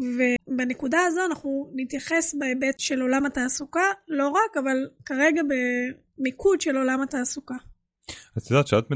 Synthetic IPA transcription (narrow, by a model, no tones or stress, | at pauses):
ve̞banekudaazo̞anaχnunit̪jaχe̞sbeebetʃe̞lo̞lamataːsukalo̞ʁakavalkaʁe̞ɡabe | mikʰudʃe̞lo̞lamataːsuka | atidaʃeat̪me